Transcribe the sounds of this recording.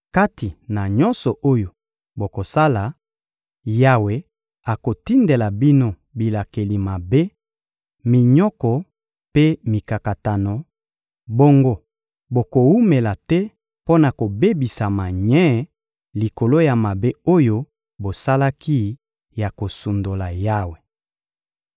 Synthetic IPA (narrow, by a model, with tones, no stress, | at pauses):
ka˦ti˨na˨ɲɔ˦nsɔ˨ʔo˦jo˨ | bo˨ko˨sa˦la˨ | ja˨we˨ | a˨ko˨ti˦nde˨la˨bi˦no˦ | bi˨la˨ke˨li˨ma˨be˦ | mi˨ɲɔ˦kɔ˨ | pe˦mi˨ka˨ka˨ta˨nɔ˨ | bo˦ŋɡo˦ | bo˨ko˨wu˦me˨la˨tɛ˦ | po˦na˨ko˨be˦bi˨sa˨ma˨ɲɛ˦ | li˨ko˨lo˦ja˨ma˨be˦o˦jo˦ | bo˨sa˦la˦ki˦ | ja˨ko˨su˨ndo˨la˨ja˦we˨